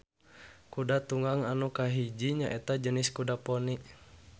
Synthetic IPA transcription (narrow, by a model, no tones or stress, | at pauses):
kudat̪uŋaŋanukaɦid͡ʒiɲaʔɛt̪ad͡ʒəniskudapɔniʔ